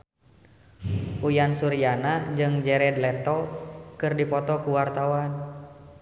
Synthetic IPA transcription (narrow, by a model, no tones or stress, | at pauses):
ʔujansuɾianad͡ʒɨŋd͡ʒɛɾɛdlɛt̪ɔkɨrdipɔt̪ɔkuwart̪awan